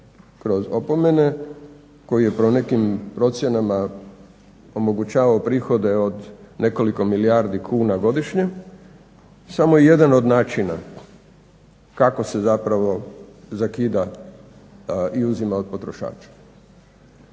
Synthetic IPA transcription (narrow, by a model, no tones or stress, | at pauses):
kɾo̞zopo̞me̞ne̞ | ko̞jije̞pɾone̞kimpɾo̞t̪sje̞nama | o̞mo̞ɡut͡ʃaːʋaopɾiːxo̞d̪e̞od̪ne̞ko̞liko̞miliaɾd̪ikʰuːnaɡo̞d̪iʃɲe̞ | samo̞ije̞d̪ano̞d̪naːt͡ʃina̰ | kakose̞zapɾaʋo̞zakiːd̪a | iuzimaod̪̚po̞t̪ɾo̞ʃa̰ːt͡ʃḁ